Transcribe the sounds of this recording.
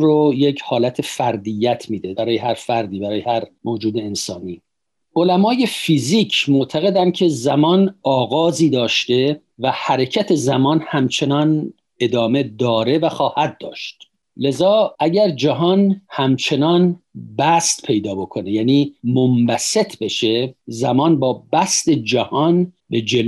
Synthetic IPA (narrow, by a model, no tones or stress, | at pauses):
ɾojecʰhɒːlæt̪ʰe̞fæɾd̪ijːæt̪ʰmiːd̪eæɾɒːjeɦæɾfæɾd̪iːbæɾɒːjehæɾmoːd͡ʒuːd̪e̞ːnsɒ̰ːniː | o̞læmɒːje̞fiːziːcʰmoʔt̪ʰæɣe̞d̪ænd̪̚cʰe̞zæmɒːnɒːɣɒːziːd̪ɒːʃt̪e̞ | væhæɾecʰæt̪ʰe̞zæmɒːnhæmt͡ʃʰe̞nɒːn | e̞d̪ɒːme̞d̪ɒːɾe̞væxɒːhæd̪̚ːɒːʃt̪̚ | le̞zɒːʔæɟæɾd͡ʒæɦɒːnhæmt͡ʃʰe̞nɒːnbæst̪pʰe̞jd̪ɒːbo̞kʰo̞nejæːniːmombæset̪ʰbe̞ʃe̞zæmɒːnbɒːbæst̪e̞d͡ʒæhɒnbe̞d͡ʒel